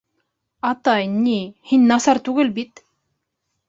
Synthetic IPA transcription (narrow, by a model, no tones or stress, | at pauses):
ɑt̪ɑjnihinʲnɑsɑɾt̪ʉɡɘlbit̪